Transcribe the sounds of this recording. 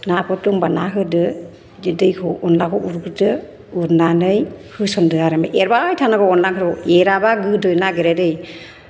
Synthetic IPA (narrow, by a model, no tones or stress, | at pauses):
nakʰɔtuŋbanaɦɯdɯ | d͡ʒɯdɯjkʰɔʔɔnlakʰɔʔuɾɡɯdɯ | uɾnanɯjhɯsɔndɯaɾamajʔeɾbajtʰanaɡɔɔnlaŋʰɯɾɔeɾabaɡɯdɯjnaɡeɾadɯj